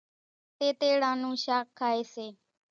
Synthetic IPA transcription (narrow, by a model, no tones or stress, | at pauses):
t̪eːt̪eːɽãːnũːʃaːkʰːaːeːseː